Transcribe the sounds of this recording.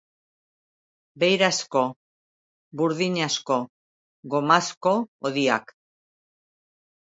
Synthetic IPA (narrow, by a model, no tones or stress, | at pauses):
be̞jɾasko̞ | buɾðiɲasko̞ | ɣomasko̞oðia̰k